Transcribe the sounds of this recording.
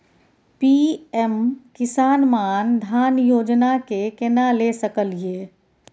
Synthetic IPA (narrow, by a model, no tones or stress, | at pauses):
piɛmkɪsaːnmaːnd̪ʱjaːnjoːd͡ʒnakekenalesəkəlie